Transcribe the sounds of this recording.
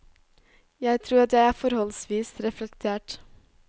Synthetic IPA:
jæɪt̪ʰɾuːɾɑt̪jæɪæːɾfɔɾhɔlsʋiːsɾɛflɛkt̪ʰeːʈ

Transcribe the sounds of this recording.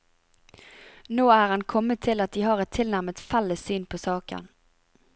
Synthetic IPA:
noːæɾhankʰɔmːət̪ʰːɪlːat̪̚d̪ɪɦɑɾɛt̪ʰːɪlnæɾmət̪falːəsyːnpʰɔsɑːkə̰n

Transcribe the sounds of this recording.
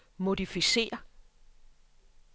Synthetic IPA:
mo̝difise̝̰ːɐ

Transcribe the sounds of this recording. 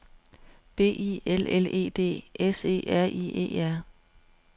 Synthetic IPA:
b̥e̝̰ːielele̝̰ːd̥e̝̰ːʔese̝̰ːæɐ̰ʔḭḛːæɐ̰

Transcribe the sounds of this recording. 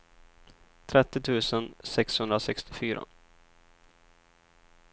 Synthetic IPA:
t̪ʰɾɛt̪ːɪt̪ʰʉ̟ːsənsɛkshɵnd̪ɾasɛkst̪ɪfyːɾa̰

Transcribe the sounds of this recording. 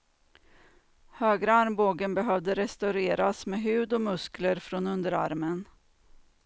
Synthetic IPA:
høːɡɾaaɾmboːɡənbɛɦœvd̪əɾɛst̪aʉɾeːɾasmeːɦʉ̟ːd̪ɔmɵskləɾfɾoːnɵnd̪əɾa̰ɾmən

